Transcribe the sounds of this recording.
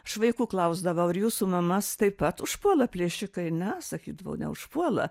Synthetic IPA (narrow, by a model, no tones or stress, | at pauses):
ʃʋɐɪkuːklˠɐʊzd̪ɐʋɐʊɪɾjuːsumɐmɐst̪ɐɪpɐt̪ʊʃpuɔlˠɐpʲlʲeːʃʲɪkɐɪnʲɛsɐkʲiːd̪ɐʋɐ̰ʊnʲɛ̰ʊʃpuɔlˠɐ̰